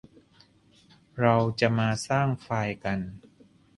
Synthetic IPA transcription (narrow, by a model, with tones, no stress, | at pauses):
ɾa˧wt͡ɕa˨˩ʔmaː˧saː˥˩ŋfaː˧jka˧n